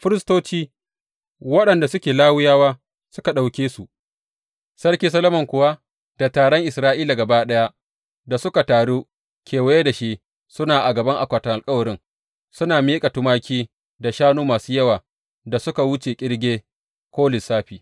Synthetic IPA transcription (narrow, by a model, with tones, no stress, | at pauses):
ɸɪ˦ɾɪ˦stoː˦t͡ʃiː˦ | wɐ˦ɗɐ˨nda˨sʊ˦kʲeː˨laː˦wʊ˦jaː˦waː˦ | sʊ˦ka˨ɗa˨wkʲeː˦su˨ʔ | sɐ˦ɽkʲiː˦s̬ɐ˦lo˦mɐ˨ŋkʷʊ˨wa˦ | d̥a˨taː˨ɽɔ˦ŋʔɪ˨sɾaː˦ʔiː˦la˨ɡɐ˨baː˦ɗɐ˦ja˦ | da˨sʊ˦ka˨taː˨ɽu˦ | kʲeː˨wa˦je˦da˨ʃi˦ | sʊ˦naː˨ʔa˨ɡɐ˨bɐ˦ŋʔa˨kʷaː˨tɐ˨ŋʔa˨lkʼɐ˦wɐ˨ɾɪ˦ŋ | sʊ˦naː˨miː˦kʼa˨tʊ˦maː˦kʲiː˦ | da˨ʃaː˦nuː˦maː˨suː˦jɐ˦waː˨ | da˨sʊ˦ka˨wʊ˦t͡ʃeː˨kʲʼɪ˦ɽɡʲeː˦ | kʷoː˦lɪ˨saː˦ɸiː˨